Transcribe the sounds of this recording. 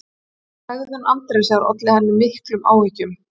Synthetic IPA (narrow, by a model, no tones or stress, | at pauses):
hɛɣðhanʔant̪ɾesaɾɔ̰t̪lɪhɛnːɪmːɪhklʏmʔa̰ːwvicʏm